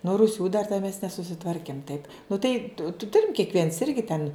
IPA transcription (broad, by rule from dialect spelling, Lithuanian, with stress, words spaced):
nʊ rʊˈsʲuː dɐr tʲɛ mʲɛs nʲɛsʊsʲɪˈtʋɐrʲkʲɪm tɐɪp nʊ tɐɪ tʊ ˈtʊrʲɪm kʲiɛkˈʋʲiɛns ˈɪrʲɡʲɪ tʲɛn